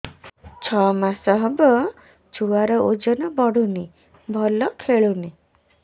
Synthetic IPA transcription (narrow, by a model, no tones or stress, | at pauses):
t͡ʃʰɔmasɔɦɔbɔ | d͡ʒuaɾɔʔod͡ʒɔnɔbɔɽuni | bʱɔlɔkʰeɭuni